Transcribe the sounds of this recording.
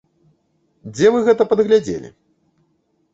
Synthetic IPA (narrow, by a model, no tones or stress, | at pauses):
d͡zʲɛvɨɣɛt̪ɐpɐd̪ɣlʲad͡zʲḛlʲḭ